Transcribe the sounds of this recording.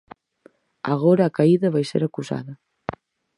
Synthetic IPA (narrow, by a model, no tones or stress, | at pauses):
aɣ̞oɾaːkaiðɐβajsḛɾakuza̰ðɐ